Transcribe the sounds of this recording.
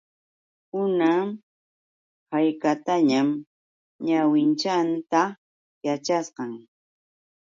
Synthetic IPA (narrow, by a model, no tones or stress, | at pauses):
hʊnam | hajkat̪aɲam | ɲawɪnt͡ʃant̪a | jat͡ʃasqɑŋ